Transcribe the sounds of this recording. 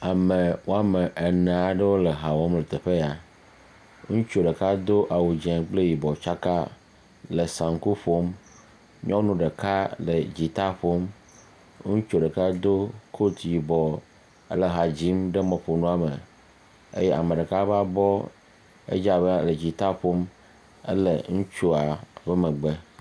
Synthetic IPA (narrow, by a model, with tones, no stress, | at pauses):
a˨me˨wo˦a˦me˨ʔe˨nɛ̃˨a˨ɖə˦wo˦le˨ɦa˨wɔ˦mle˨t̪e˨ɸe˦ja˨ | ŋũ˦t͡ʃo˨ɖe˨ka˦d̪o˦ʔa˨wu˨d͡ʒɛ̃˨k͡ple˦ji˨bɔ˨t͡ʃa˦ka˦ | lə˨sã˨ŋ̩˨˦ku˦ɸo˦m | ɲɔ̃˦nũ˦ɖe˨ka˦lə˨d͡ʑi˨t̪a˦ɸo˦m | ŋũ˦t͡ʃo˨ɖə˨ka˦d̪o˦kʰo˦t̪ji˨bɔ˨ | ə̰˦lə˨ɦa˨d͡ʑi˦mɖe˦mɔ̃˨ɸo˨nũ˦a˨me˨ | ḛ˦jɛ˦ʔa̰˨mẽ˨ɖe˨ka˦ba˦bɔ˦ | ḛ˦d͡ʒa˨bə˦a˨le˨d͡ʑi˨t̪a˦ɸo˦m | ə̰˦lə̰˨ŋũ˦t͡ʃo˦a˨be˦mə˨ɡ͡be˦